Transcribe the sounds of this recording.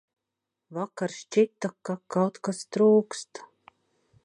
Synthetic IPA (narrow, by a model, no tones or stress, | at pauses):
vakaɾʃt͡ʃit̪akakawt̪kast̪ɾuːkst̪